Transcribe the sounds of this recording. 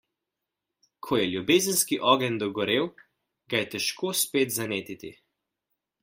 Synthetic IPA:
kʰɔjɛljubeːzənskiʔɔːɡɛnd̪ɔɡɔɾeːw | ɡajɛt̪ɛʃkʰoːspeːt̪zaneːt̪it̪ḭ

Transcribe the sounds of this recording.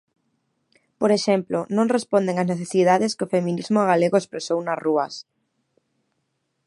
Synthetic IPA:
poɾeʃɛmplʊnõŋrespond̪eŋazneθesið̞aðɪskɪʊfemĩnizmʊaɣaleɣʊespɾesownɐzruɐ̰s

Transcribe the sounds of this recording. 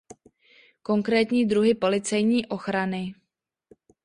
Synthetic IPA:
ko̞ŋkɾɛːt̪ɲiːdɾuɦɪpo̞lɪt͡sɛjɲiːʔo̞xɾanɪ

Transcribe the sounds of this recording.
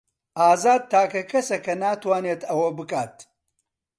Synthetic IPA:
ʔaːzaːd̪̚t̪ʰaːkɐkʰɐsɐkɐnaːt̪waːneːt̪ɐwɐbɨkaːt̪

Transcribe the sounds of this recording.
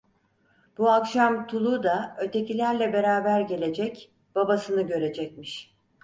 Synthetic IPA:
b̥uakʃamt̪ʰulˠud̪aø̞t̪ʰe̞cʰilʲæɾlʲɛbe̞ɾaːbæɾɟe̞lʲe̞d͡ʒɛc | b̥abasɯnɯɟø̞ɾe̞d͡ʒɛc̚miʃ

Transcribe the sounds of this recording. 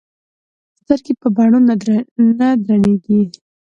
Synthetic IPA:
st̪aɾkepəbɑɳonanad̪ɾaneɡi

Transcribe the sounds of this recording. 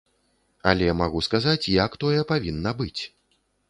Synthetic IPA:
ɐ̰lʲɛmaɣuskazat͡sʲjɐkt̪ɔjɛpavʲinːɐbɨt͡sʲ

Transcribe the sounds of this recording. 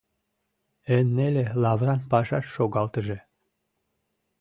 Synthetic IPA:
enːelelɑβrɑnpɑʃɑʃːoɣɑlt̪əʒe

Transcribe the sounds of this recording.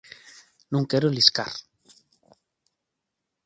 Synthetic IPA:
nũŋkeɾoliska̰ɾ

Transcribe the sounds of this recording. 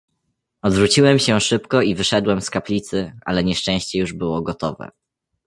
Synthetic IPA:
ɔd̪vɾut͡ɕiwɛmɕɛʂɘpkɔivɘʂɛd̪wɛmskaplʲit̪sɘʔa̰lɛɲɛʂt͡ʂɛ̃ɕt͡ɕɛjuʐbɘwɔɡɔt̪ɔvɛ̰

